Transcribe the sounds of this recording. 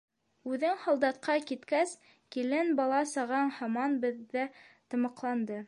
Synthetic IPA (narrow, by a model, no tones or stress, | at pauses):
ʉðɘŋhɑ̆lˠd̪ɑt̪̚qɑkit̪kæs | kilɘnbɑlˠɑsɑʁɑɴhɑmɑnbɘ̆ðːæt̪ɤ̆mɤ̆qlˠɑnd̪ɤ